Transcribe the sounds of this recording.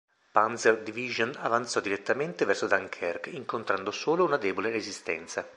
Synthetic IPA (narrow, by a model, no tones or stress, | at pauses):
pansɛrd̪iviʒonavant̪sɔd̪iɾet̪ːament̪evɛrsod̪aŋkʰɛrkiŋkont̪ɾand̪osoːlounad̪ɛːbolerezist̪ɛ̰nt̪sa